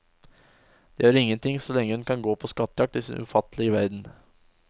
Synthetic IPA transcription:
d̪̥ɛhøːɾɪŋːənt̪ʰɪŋsɔlɛŋːəhʉnkʰɑnɡoːpʰɔskɑt̪ːəjɑk̚t̪ɪsɪ̰nʔʉ̰fɑt̪ːəlɪɡəʋæɾd̪n

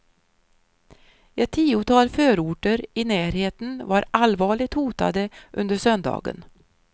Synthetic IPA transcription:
ɛt̪ʰːiːʊt̪ʰɑːlføːɾuːʈəɾɪnæːɾheːt̪ənvaɾalvɑːɭɪɡ̚t̪huːt̪a̰d̪əʔɵnd̪əʂœnd̪ɑ̰ːɡə̰n

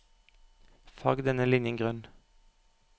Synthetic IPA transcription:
fɑɡd̪ɛnəlɪnjəŋɡʁœn

